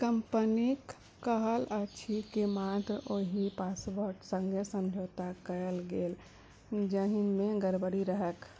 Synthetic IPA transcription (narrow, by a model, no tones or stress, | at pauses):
kəmpənikː | əɦələt͡ʃʰikemat̪ɾəoɦipasboɾʈsə̃ŋɡʱesə̃md͡ʒʱoːt̪akəəlɡeːl | d͡ʒəɦimẽɡəɾbəɽiɾəɦək